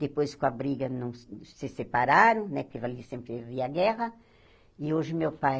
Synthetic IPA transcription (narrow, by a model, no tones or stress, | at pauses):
d̪̥epojskõabɾiɡɐnɐ̃w̃sɪsepaɾaɾɐ̃w̃nɛpɾkevalisẽmpɾɪviɐɡɛʁɐ | ioʒɪmewpaj